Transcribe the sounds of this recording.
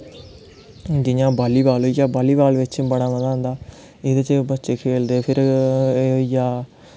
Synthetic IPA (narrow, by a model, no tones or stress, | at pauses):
d͡ʒɪɲãːbaːliːbaːlɦoijaːbaːliːbaːlʋɪt͡ʃbəɽ̃aːməd̪aːɦʊ̃nd̪aː | eːd̪et͡ʃebətːʃeːkʰeːld̪eːpʰɪɾ | oijaː